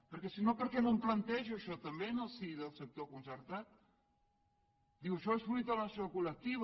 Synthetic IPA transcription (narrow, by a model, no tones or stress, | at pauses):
pəɾkɛsinopəɾkɛnõmplənt̪ɛʒiəʃɔt̪əmbenəlˠsiðəlˠsək̚t̪okunsəɾt̪at̪̚ | d̪iwəʃɔesfɾit̪ələsokulək̚t̪iβ